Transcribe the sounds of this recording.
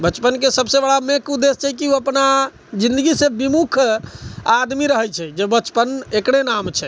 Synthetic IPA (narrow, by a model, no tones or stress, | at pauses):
bət͡ʃpənkesəbsebəɽamekʰud̪ːest͡ʃʰɛkiuəpna | d͡ʒĩnd̪əɡisẽbimukʰ | ad̪miɾəɦɛt͡ʃʰɛd͡ʒebət͡ʃpənekɽenamt͡ʃʰɛ